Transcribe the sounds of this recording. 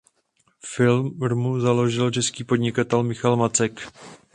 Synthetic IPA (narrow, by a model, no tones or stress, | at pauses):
fɪlɾmuzalo̞ʒɪlt͡ʃɛskiːpo̞dɲɪkat̪ɛlmɪxalmat͡sɛk